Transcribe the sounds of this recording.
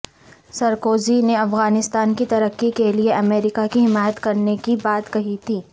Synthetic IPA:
sɐɾkoːzineɐfɣaːnɪst̪aːnkit̪ɐɾəkːikelieʔɐmɛːɾɪkakiɦɪmaːjət̪kɐɾnekibaːt̪kɐɦit̪ʰiː

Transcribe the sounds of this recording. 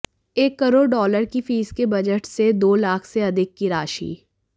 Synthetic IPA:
eːkːɐɾoːɽɖɔːləɾkifiːskebɐd͡ʒəʈsed̪oːlaːkʰseɐd̪ʱɪkːiɾaːʃḭː

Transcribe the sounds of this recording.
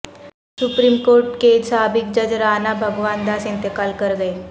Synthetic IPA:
supɾiːmkoːɾʈkesaːbɪk̚d͡ʒəd͡ʒɾaːnabʱəɡʋaːnd̪aːsɪ̃nt̪ekaːlkəɾɡəe

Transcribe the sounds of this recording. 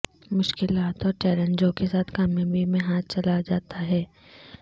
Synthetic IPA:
mʊʃkɪlaːt̪ɔːɾʈɛːɾənd͡ʒõkesaːt̪ʰkaːmjõbʱimẽɦaːt̪̚ʰt͡ʃɐlad͡ʒaːt̪aɦɛː

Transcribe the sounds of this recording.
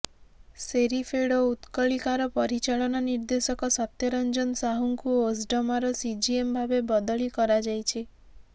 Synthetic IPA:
seɾipʰeɽɔut̪kɔɭikaɾɔpɔɾit͡ʃaɭɔnɔniɾd̪esɔkɔsɔt̪jɔɾɔnd͡ʒɔnsaɦuŋkuos̬ɖɔmaɾɔsid͡ʒiembʱabebɔd̪ɔɭikɔɾad͡ʒajt͡ʃʰi

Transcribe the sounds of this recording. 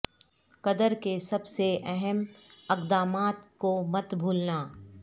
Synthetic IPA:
kɐd̪əɾkesɐbseɛɦɛmɐqd̪aːmaːt̪komɐt̪bʱuːlnaː

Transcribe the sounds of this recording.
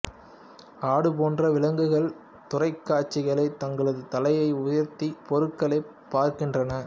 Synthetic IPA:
aːɽɯpoːndrɐʋɪlɐŋɡɯɣɐɭ | t̪ʊrɐɪkːaːʈt͡ʃːɪɣɐɭɐɪt̪ɐŋɡɐɭɐðɯt̪ɐlɐjɐɪʊjɐɾt̪ipɔɾɯkːɐɭɐɪpːaːɾkɪndrɐnɐ

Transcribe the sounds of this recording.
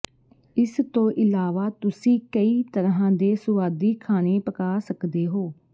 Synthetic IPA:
ɪst̪õːʔɪlaːʋaːt̪ʊsĩːkəiːt̪əɾɦãːd̪eːsʊʋaːd̪iːkʰaːneːpəkaːsəkd̪eːɦoː

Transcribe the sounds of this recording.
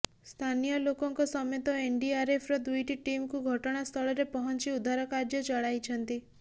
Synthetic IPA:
st̪ʰanijɔlokɔŋkɔsɔmet̪ɔeɳɖiaɾepʰɾɔd̪ujʈiʈimkuɡʱɔʈɔɽ̃ast̪ʰɔɭɔɾepɔɦɔnt͡ʃiud̪ʱaɾɔkaɾd͡ʒjɔt͡ʃɔɭajt͡ʃʰɔnt̪i

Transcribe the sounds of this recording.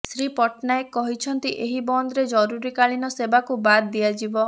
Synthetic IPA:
sɾipɔʈnajkːɔɦit͡ʃʰɔnt̪iʔeɦibɔnd̪ɾed͡ʒɔɾuɾikaɭinɔsebakubad̪d̪iad͡ʒibɔ

